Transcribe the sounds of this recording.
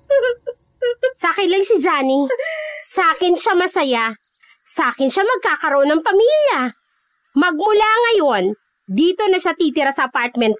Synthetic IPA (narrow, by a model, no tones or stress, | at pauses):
sakɪlɐŋsɪd͡ʒaːni | sɐaːkɪnʃamɐsɐja | sɐʔaːkɪnʃamɐɡ̚kaːkɐɾoʔonːɐŋpɐmiːljɐ | mɐɡ̚mʊlaŋɐjo̞n | d̪iːt̪o̞nɐʃat̪iːt̪ɪɾɐsɐʔɐpaɹt̪̚mɛnt̪̚